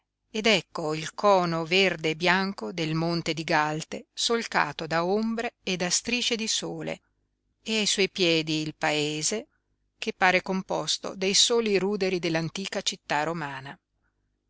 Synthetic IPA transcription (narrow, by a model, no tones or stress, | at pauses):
ed̪ɛkːoilkɔːnoverd̪eːbjaŋkod̪elmont̪ed̪iɡalt̪esolka̰ːt̪od̪aombɾeːd̪ast̪ɾiːt͡ʃed̪isoːlḛ | eajswɔjpjɛːd̪iːlpaeːze | kepːaːɾekompɔst̪o̰d̪ejsoːliɾuːd̪eɾid̪elːant̪iːkat͡ʃit̪ːaromaːna